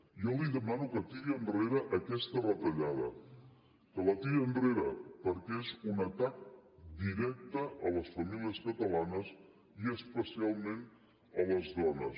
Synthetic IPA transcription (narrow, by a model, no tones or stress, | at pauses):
jɔliðəmanukət̪iɣiənreɾəʔəkɛst̪ərət̪əʎað̞ə | kələt̪iənreɾəpəɾkezunət̪ak̚d̪iɾɛk̚t̪əʔələsfəmiliəskət̪əlanəs | iəspəsialˠmẽn | ələzðɔnəs